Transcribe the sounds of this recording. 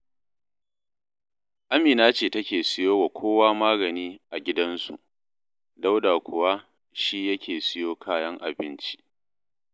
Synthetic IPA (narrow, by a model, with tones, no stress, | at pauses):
ʔa˦miː˨naː˦t͡ʃeː˨tɐ˦kʲeː˨sɪ˦joː˦wa˨kʷʰoː˦waː˦maː˦ɡɐ˨niː˦ʔa˨ɡʲɪ˦dɐ˦nsṵ˨ʔ | da˦wdaː˨kʷʰʊ˨waː˦ | ʃi˦jɐ˦kʲʰeː˨sɪ˦joː˦kʰaː˦jɐ˦ŋʔa˨bɪ˦nt͡ʃi̥˦ʔ